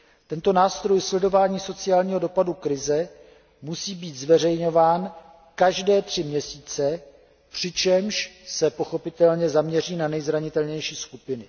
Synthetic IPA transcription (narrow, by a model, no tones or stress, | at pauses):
t̪ɛnt̪o̞naːst̪ɾo̞jslɛdo̞vaːɲiːso̞t͡sɪaːlɲiːɦo̞do̞padukɾɪzɛ | musiːbiːt̪zvɛr̝ɛjɲo̞vaːn | kaʒdɛːt̪r̝̥ɪmɲɛsiːt͡sɛ | pr̝̥ɪt͡ʃɛmʃsɛpo̞xo̞pɪt̪ɛlɲɛzamɲɛr̝iːnanɛjzɾaɲɪt̪ɛlɲɛjʃiːskupɪnɪ